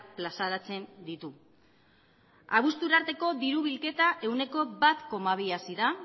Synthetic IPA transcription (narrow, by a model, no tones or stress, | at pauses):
plasaɾat͡se̞nd̪it̪u | aβ̞ust̪uɾaɾt̪e̞ko̞ðiɾuβ̞ilke̞t̪aʔe̞wne̞ko̞βat̪ko̞maβ̞iasiða